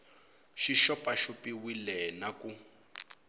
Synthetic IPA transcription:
ʃiʃɔpʼaʃupiwilɛnaku

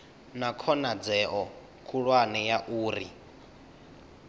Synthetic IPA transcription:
nakʰɔnad͡zɛʔɔ | kʰuɺwanɛjaʔuːɾi

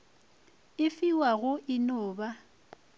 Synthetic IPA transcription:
ɪfiwaɣʊʔɪnɔːba

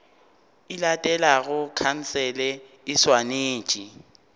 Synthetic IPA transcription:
ɪlatʼɛlaɣʊkʰan̩sɛlɛ | ɪswaneːt͡ʃʼi

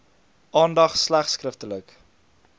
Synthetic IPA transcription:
ʔɑːndɐχslæχskrəftələk

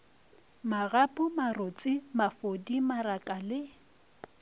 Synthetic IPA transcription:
maɣapʼʊmarot͡sʼɪmafodimaɾakʼalɪ

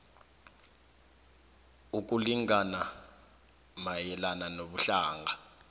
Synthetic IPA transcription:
uk̬ʼuliŋana | majɛlananoɓuɬaːŋɡa

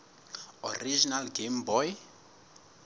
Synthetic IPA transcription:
ɔ̰rid͡ʒinalɡembɔj

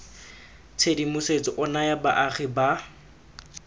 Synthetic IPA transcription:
t͡sʰedimʊset͡sɔʔʊnajaba̰ʔaχiba

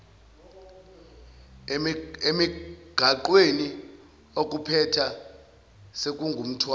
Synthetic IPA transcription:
emiɡ̥ʱaǃweni | ok̬ʼupʰɛtʰa | sek̬ʼuŋɡʱum̩tʰwa

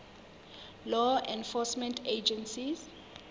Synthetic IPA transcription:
lɔɛ̃nfɔsmɛ̃ntʰed͡ʒɛ̃nsiz

